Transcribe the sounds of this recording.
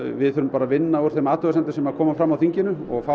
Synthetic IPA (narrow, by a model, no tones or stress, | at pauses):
vɪðθʏɾʏmpaːɾavɪnːaɔɾ̥θejmaːt̪ʏɣasɛnt̪ʏsɛmaðkʰɔːmafɾamːawθiɲcɪnʏɔɣfa